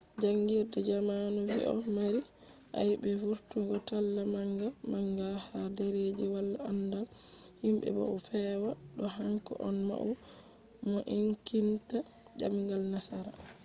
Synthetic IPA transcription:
d͡ʒaŋɡiɾdɛd͡ʒamanɔwiʔɔ̰maɾi | ʔa̰jbɛvuɾtuɡɔtalːamaŋɡalmaŋɡahadɛɾed͡ʒiwalːaandal | himbɛ̰ba̰ufɛwa | ɗɔhaŋkɔ̰ʔɔnma̰ʔu | mɔʔiŋkinta | d͡ʒa̰miŋɡalnasaɾa

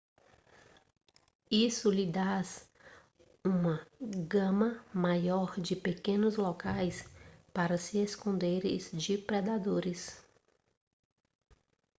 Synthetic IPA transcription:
isʊlɪd̪as | ũmɐɡɐ̃mɐmajɔɾd͡ʒɪpekẽnʊzlokajspaɾɐsɪeskõnd̪eɾɪ̰zd͡ʒɪpɾɛd̪ad̪oɾɪs

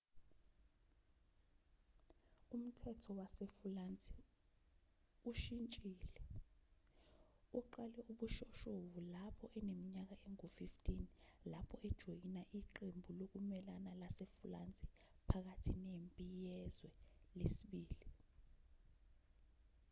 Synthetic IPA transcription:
um̩tʰɛtʰɔwasefulant͡sʼɛ | uʃint͡ʃʼiːlɛ | uǃalɛuɓuʃɔʃovulapʰɔʔɛnemiɲak̬aʔeŋofiftʰʼinlapʰɔɛd̥ʒ̥ʱojinaʔiǃembʱulok̬umɛlanalasefulant͡sʼi | pʰak̬atʰinempʼijɛzwɛlesiɓiːli

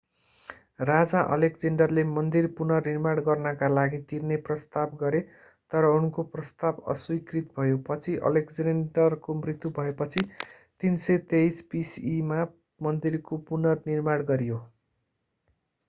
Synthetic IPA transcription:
rad͡zaʔʌ̰lekd͡zeɳɖʌrlemʌnd̪irpunʌrnirmaɽɡʌrnʌkalaɡit̪irneprʌst̪abɡʌɾe | t̪ʌɾʌunkoprʌst̪abʌ̰swikrit̪bʱʌjopʌt͡sʰiʔʌ̰lekd͡zeɳɖʌrkomrit̪jubʱʌepʌt͡sʰi | t̪insʌt̪ejspisima | mʌnd̪irkopunʌrnirmaɽ̃ɡʌɾijo

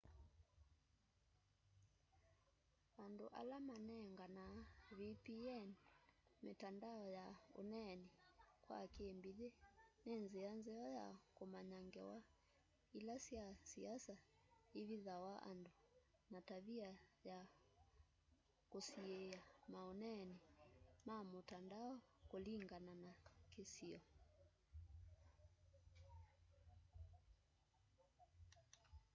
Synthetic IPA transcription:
ando̰ʔa̰lamanɛŋɡanaβipiɛnmetandaɔjao̰nɛnikwa̰keːmbiðenenzeanzɛɔja̰komaɲaŋɡɛwa | ilasiasiasa | iβiðawaʔa̰ndu | nataβiaja | kosiɛamaɔnɛnimamutandaɔkuliŋɡananakesiɔ

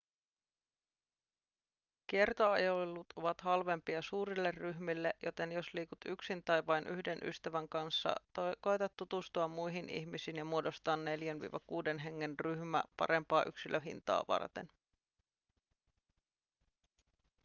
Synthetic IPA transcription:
kiert̪oɑ̰jolelːut̪oʋɑt̪hɑlʋe̞mpiɑsuːɾilːerryɦmilːe̞ʔjo̞t̪e̞njo̞sliːkut̪yksint̪æjʋɑjnʔy̰hde̞nʔy̰st̪æʋæŋkɑnsːɑ̰t̪oko̞jt̪ɑt̪ːut̪ust̪uɑmːujɦinʔḭçmisiːnjɑmuodo̞st̪ɑːnːe̞ljænʋḭːʋɑkuːde̞nɦe̞ŋːe̞nryhmæ̰pɑ̰ɾe̞mpɑːʔyksilʔøɦḭnt̪ɑ̰ːʋɑ̰rt̪e̞̰n

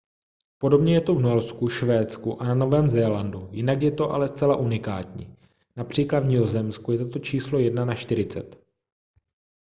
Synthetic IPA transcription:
po̞do̞bɲɛjɛt̪ovnuɛlskuʃvɛːt͡skuʔanano̞vɛːmzɛːlandujɪnakjɛt̪o̞ʔa̰lɛst͡sɛlaʔunɪka̰ːt̪ɲḭː | napr̝̥iːklad̪vɲɪozɛmskujɛt̪ot̪o̞t͡ʃiːslo̞jɛdnanaʃt̪ɪɾɪt͡sɛ̰t̪

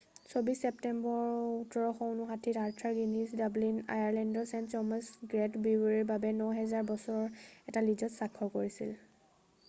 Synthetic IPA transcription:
sobisɛptɛmbɔɹutɔɹɔxɔwnuxatʰitaɹtʰaɹɡinisdablina̰jaɹlɛndɔsɛnttɔmasɡɹɛtbiwɹiɹbabɛnɔɦɛzaɹbɔsɔɹɔɹɛtalid͡ʒɔtsakʰːɔkoɹisḭl

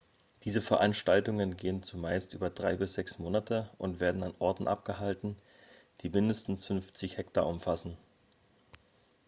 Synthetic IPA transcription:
d̥iːzəfɛɐʔanʃtaltʊŋənɡeːənt͡sumaɪstʔyːbɐdʁaɪbɪsz̥ɛksmoːnatʰəʔʊntv̥eːɐdn̩anʔɔɐtn̩ʔa̰p̚ɡ̥əɦaltn̩ | d̥iːmɪndəstn̩sfʏnft͡sɪçhɛkta̰ːʔʊmfasn̩

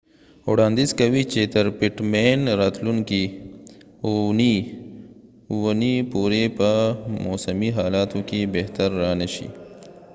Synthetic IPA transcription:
oːɽãːnd̪izkɐwit͡ʃeːt̪ɐɾpiʈmeːnɾaːt̪lunki | ni | wnipuːɾepɐmoːsɐmiɦaːlaːt̪õkibeɦt̪ɐɾːaːnɐɕḭ

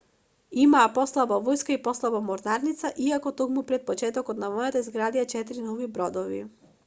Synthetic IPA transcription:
imaːpɔslˠabavɔjskaipɔslˠabamɔɾnaɾnit̪saʔiakɔt̪okmupɾɛt̪̚pɔt͡ʃɛt̪ɔkɔt̪namɔjat̪aizɡɾad̪jat͡ʃɛt̪ɾinɔvibɾɔd̪ɔvḭ

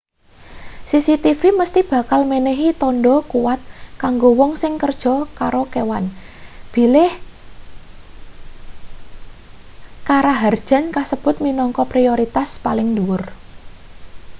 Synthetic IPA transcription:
sisit̪ifiməst̪ib̥a̤kalmeneɦit̪ɔnɖɔkuwat̪̚kaŋɡowɔŋsɪŋkərd̥ʒ̥ɔ̤kaɾokewan | b̥i̤lɪh | kaɾaɦard̥ʒ̥a̤nkasəb̥ʊ̤t̪̚minɔŋkɔpɾioɾit̪aspalɪŋduwʊr

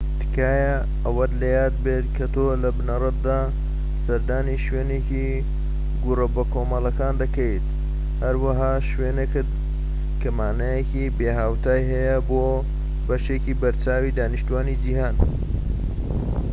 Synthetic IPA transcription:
t̪ʰɨ̥kʰaːjɐ | ɐwɐd̪lɐjaːd̪̚beːt̪kʰɐt̪ʰolɐbnɐrɐt̪̚d̪aː | sɐɾd̪aːniʃweːneki | ɡurɐbɐkʰoːmɐlɐkaːnd̪ɐkɐjt̪ | hɐɾwaɦaːʃweːnekɨd̪̚ | kʰɐmaːnɐjekibeːɦaːwt̪ʰaːjɦɐjɐboː | bɐʃeciːbɐɾt͡ʃaːwiːd̪aːniʃt̪uwaːnid͡ʒiɦaːn

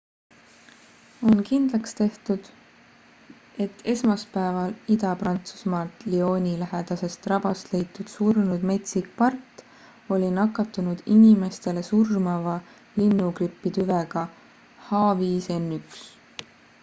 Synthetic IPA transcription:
o̞nkind̪̥lɑkst̪e̞ht̪ud̪̥ | e̞t̪ːˑe̞smɑspæevɑlid̪ɑprɑnt̪su̥smɑːlt̪lio̞ːnʲilæɦed̪̥ɑse̞st̪rɑb̥ɑst̪le̞jt̪ːˑud̪̥surnud̪̥me̞t̪sikpɑrt̪ːˑ | o̞lʲinɑkːˑɑt̪ːˑunud̪̥inime̞st̪e̞le̞surmɑvɑ | linːukripːit̪yveɡ̥ɑ | hɑːviːse̞nːyks

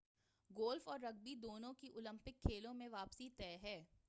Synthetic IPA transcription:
ɡoːlfɔːɾːɐɡ̚bid̪oːnõkiʔʊlə̃mpɪkʰːeːlõmẽʋaːpsit̪ɛːɦɛː

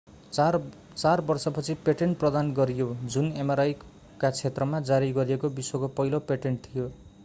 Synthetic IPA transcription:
t͡sarbʌrsʌpʌt͡sʰipeʈeɳʈprʌd̪anɡʌɾijod͡zunemaɾaj | kat͡sʰet̪rʌmad͡zaɾiɡʌɾijekobiswokopʌjlopeʈeɳʈ̚t̪ʰijo

